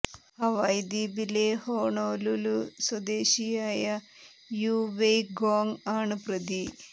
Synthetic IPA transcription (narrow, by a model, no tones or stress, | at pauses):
ɐʋɐjd̪ibilehoːɳoːluluswɐd̪eːɕijaːjɐ | juːʋejɡoːŋaːɳɨprɐd̪i